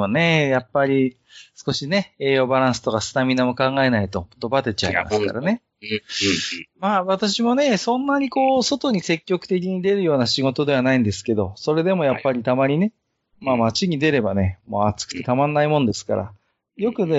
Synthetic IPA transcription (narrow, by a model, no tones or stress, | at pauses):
monejapːaɾʲi | sɨ̥ko̞ɕine̞eːjo̞baɾãɰ̃sɨ̥t̪o̞kasɨ̥namʲinamo̞kãŋɡae̞nait̪o̞mot̪ːobat̪e̞t͡ɕa̰ḭma̰sɨ̥ka̰ɾa̰ne̞ | maːβat̪aɕimo̞ne̞sõ̞nːaɲ̟iko̞ːso̞t̪o̞ɲ̟ise̞kʲːo̞kɯ̟̥t̪e̞k̬ʲiɲ̟id̪e̞ɾɯ̟jo̞ːnaɕiɡo̞t̪o̞d̪e̞βanaĩnd̪e̞sɨ̥ke̞d̪o̞so̞ɾe̞d̪e̞mo̞japːaɾʲit̪amaɲ̟ine̞ | maːmat͡ɕiɲ̟id̪e̞ɾe̞bane̞mo̞ːat͡sɨ̥kɯ̟̥t̪et̪amãnːaimõ̞nd̪e̞sɨ̥ka̰ɾa̰ | jo̞kɯ̟ne